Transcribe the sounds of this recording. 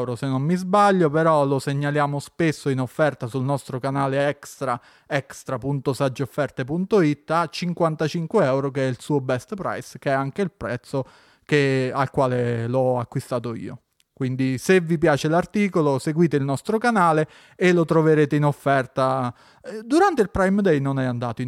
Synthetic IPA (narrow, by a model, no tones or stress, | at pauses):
wɾosenːomːizbaʎːopeɾɔloseɲːaljaːmospesːoinofːɛrt̪asulnɔst̪ɾokanaːleɛkst̪ɾa | ɛkst̪ɾapunt̪osad͡ʒːeofːɛrt̪epunt̪oit̪ːat͡ʃːiŋkwant̪at͡ʃiŋkweɛwɾokeɛilsuːobɛst̪pɾa̰jsk̟eɛaŋk̟eilpɾɛt̪sːo | kealkwaːlelɔakːwist̪aːt̪oḭːo̰ | kwind̪isevːipjaːt͡ʃelart̪iːkoloseɡwiːt̪eilnɔst̪ɾokanaːleː | lot̪ɾoveɾeːt̪einofːɛrt̪a | d̪uɾant̪eilpɾajmd̪ɛjnonɛand̪a̰ːt̪oi